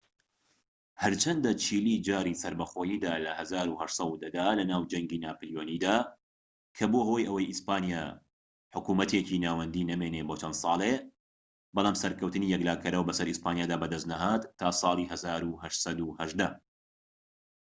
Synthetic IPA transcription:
hɐɾt͡ʃʰɐnd̪ɐt͡ʃʰiːlid͡ʒaːɾisɐɾbɐxoːjiːd̪aːlɐhɐzaːɾuhɐʃsˤɐwd̪ɐd̪aːlɐnaːwd͡ʒɐŋɡiːnaːpɨljoːniːd̪aː | kʰɐbohojʔɐwɐjʔispaːnija | ħʊkuːmɐt̪ʰeːcinaːwɐnd̪iːnɐmeneːbot͡ʃɐnd̪sˤɑːlˠe | bɑlˠaːmsɐɾkɐwt̪ɨniːjɛklaːkʰɐɾɐwbɐsɐɾispaːnjaːd̪aːbɐd̪ɐst̪̚nɐɦaːt̪ʰːaːsˤɑːlˠiɦɐzaːɾuhɐʃsɐd̪uhɐʒd̪ɐ

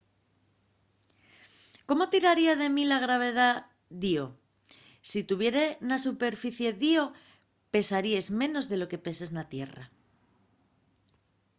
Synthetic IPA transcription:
ko̞mo̞t̪iɾaɾiað̞e̞milaɣ̞ɾaβ̞e̞ð̞a | ðio | sit̪uβ̞je̞ɾe̞nasupe̞ɾfiθje̞ðio̞ | pe̞saɾiezmẽ̞no̞zðe̞lo̞ke̞pe̞se̞znat̪je̞̰ra̰

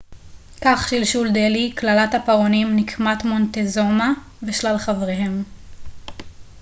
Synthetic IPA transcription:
kaχʃilʃuld̪eliklalathapaʁonimnikʰmat̪mo̞nt̪ezo̞ma | veʃlalχavʁeɦe̞m

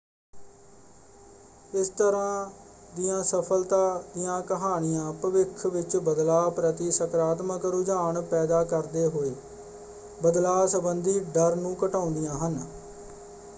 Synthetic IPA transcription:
ɪst̪əɾãː | d̪ɪjãːsəpʰəlt̪aːd̪ɪjãːkəɦaːɳɪjãːpɾəʋɪkʰʋɪt͡ʃbəd̪laːpɾət̪iːsəkɾaːt̪məkɾʊd͡ʒaːɳpɛːd̪aːkəɾd̪eːɦoːeː | bəd̪laːsəbənd̪iːɖəɾnũːkəʈaːʊnd̪ijãːɦən

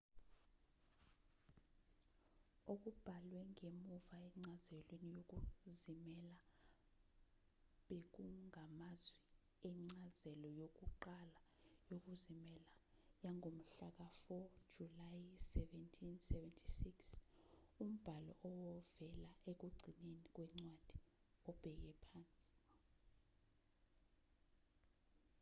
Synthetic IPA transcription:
ok̬ub̥ʱalwɛŋemuvaɛŋ͡ǀazɛlwenijok̬uzimɛla | ɓek̬uŋʱamazwi | ɛŋ͡ǀazɛlɔjok̬uǃalajok̬uzimɛlajaŋʱom̩ɬak̬afɔd̥ʒ̥ʱulajsɛvɛntʰinsɛvɛntʰisiks | um̩b̥ʱalɔ̰ʔɔwɔvɛlaʔek̬uɡ͡ǀʱinenik̬wɛŋ͡ǀwad̥ʱi̥ | ɔb̥ʱɛk̬ɛpʰaːnt͡sʼi̥

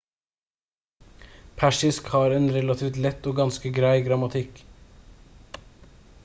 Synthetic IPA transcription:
pʰæʂɪskhɑːɾɛːnɾɛlɑt̪ʰiːft̪lɛt̪ːoːɡɑnskəɡɾæɪɡɾɑmɑt̪ʰɪk

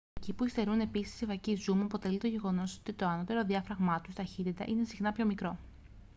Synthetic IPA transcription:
ecipuist̪e̞ɾune̞pisi̥sivɐcizumuɐpo̞t̪e̞lit̪o̞ʝe̞ɣo̞no̞so̞t̪it̪o̞ɐno̞t̪e̞ɾo̞ðiɐfɾɐɣmɐt̪ust̪ɐçit̪it̪ɐ̰ʔine̞sixnɐpço̞mikɾo̞

